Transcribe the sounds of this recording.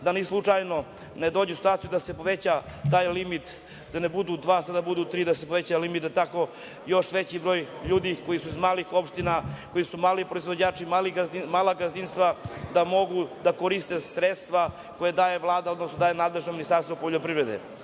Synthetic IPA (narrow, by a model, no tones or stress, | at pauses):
d̪anislˠut͡ʂajno̞ | ned̪oːd͡ʑeusi̥t̪waːt̪jud̪ase̞po̞ʋet͡ɕat̪aːjlimit̪ | d̪anebud̪ud̪ʋaːsad̪abud̪uːt̪ɾiːd̪asepoʋe̞t͡ɕalimit̪et̪ako̞ | jo̞ʃʋet͡ɕibɾo̞ːjʎuːd̪iko̞jisuizmaːlixo̞pʃt̪inako̞jisumaːlipɾo̞izʋo̞d͡ʑaːt͡ʂimaliɡimaːlaɡazinst̪ʋad̪amo̞ɡud̪akoɾist̪esɾet̪st̪ʋa | ko̞jed̪aːjeʋlˠaːd̪aod̪no̞snod̪aːjenaːd̪le̞ʒnominist̪aɾst̪vopo̞ʎopɾivɾed̪ḛ